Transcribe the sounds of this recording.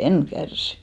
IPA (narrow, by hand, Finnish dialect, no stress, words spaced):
en kærsi̥